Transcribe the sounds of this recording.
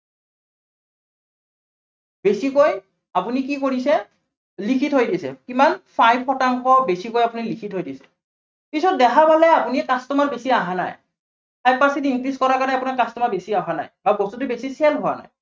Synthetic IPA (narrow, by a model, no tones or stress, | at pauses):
besikoj | apunikikoɹisɛ | likʰitɦojdisɛ̰kimanpʰajpʰɔtaŋxɔbesikojapunilikʰitɦojdisɛ̥ | pisɔt̚dɛkʰabalɛapunikastɔmaɹbesiaɦana̰j | pajpasitiŋkɹiskɔɹakanɛapunakastɔmabesiaɦana̰jbabɔstut̬ubesiselɦowa̰na̰j